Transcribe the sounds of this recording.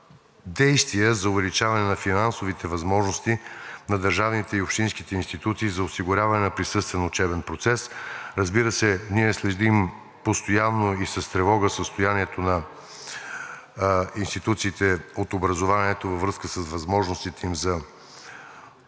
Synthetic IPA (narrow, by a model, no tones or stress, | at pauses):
d̪ɛjst̪vijəzɐʊvɛlit͡ʃavɐnɛnɐfinansovit̪ʰɛvɐzmɔʒnost̪inɐd̪ɐɾʒavnit̪ɛiopʃt̪inskit̪ɛinst̪it̪ut̪siːzɐʊsiɡʊɾʲavɐnɛnɐpɾisɤst̪vɛnʊt͡ʃɛbɛnpɾot̪sɛsɾəzbiɾəsɛniɛslɛʒd̪im | post̪ojanːoisɐst̪ɾɛvɔɡəsəst̪ojaniɛt̪onɐ | inst̪it̪ut̪siːt̪ɛot̪obɾəzovaniɛt̪ovɐvɾɤskəsəsvɐzmɔʒnost̪it̪ɛimzɐ